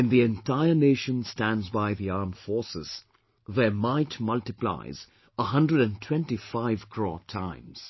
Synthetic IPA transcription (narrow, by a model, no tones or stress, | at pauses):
ɨ̃nðiɛ̃ntʰaɪə˞neʃə̃nstæ̃ndzbaɪðiaɹmfɔɹsɪ̰z̥ | ðəmaɪtmʌltɨpla̰ɪz | əɦʌ̃ndɹəɾɨ̃ntʰw̥ɛ̃ntifaɪv̥kʰɹɔ̰tʰãɪ̃mz̥